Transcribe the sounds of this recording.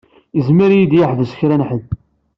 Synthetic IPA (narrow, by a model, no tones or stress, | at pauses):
əzmiɾjid̪jaħvəsə̥çɾænħəð